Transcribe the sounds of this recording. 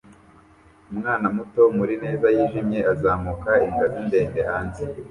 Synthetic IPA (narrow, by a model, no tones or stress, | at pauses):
umŋaːnamuto̞muɾine̞ːzajiːʒimɲe̞ʔazaːmukaiŋɡazinde̞ːnde̞haːnze